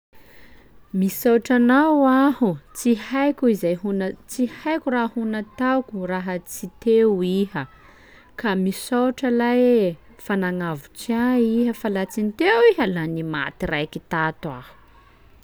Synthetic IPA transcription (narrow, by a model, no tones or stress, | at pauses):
misawʈ͡ʂanawahut͡sihajkʲuizajɦunt͡sihajkʲurahunat̪awkʲuraɦət͡sit̪eiɦə | kamisawʈ͡ʂəlaj | fanaŋavut͡siaiɦəfalat͡sint̪ewiɦalanima̰t̪irajkit̪at̪wa̰hu̥